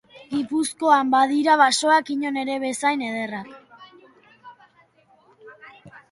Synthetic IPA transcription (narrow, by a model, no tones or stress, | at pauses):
ɡipusko̞ambaðiɾaβaso̞akiɲo̞ne̞ɾe̞βe̞sajne̞ð̞e̞rak